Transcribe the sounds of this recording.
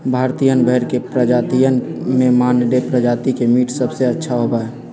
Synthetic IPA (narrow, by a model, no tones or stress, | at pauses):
bʱaɾt̪ijənbʱəɦɾkepɾəd͡ʒat̪ijənmemaːnɖepɾəd͡ʒat̪ikemiːʈsəbseətːʃʰaɦobaɛ